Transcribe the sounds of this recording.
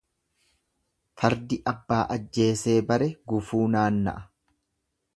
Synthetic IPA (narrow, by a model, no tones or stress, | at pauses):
fɐɾd̪ɪʔɐbːaːʔɐd͡ʒːe̞ːse̞ːbɐɾɛɡʊfuːnaːnːɐ̰ʔɐ̥